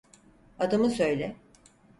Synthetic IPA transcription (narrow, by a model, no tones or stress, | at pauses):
ad̪amɯsø̞jlʲɛ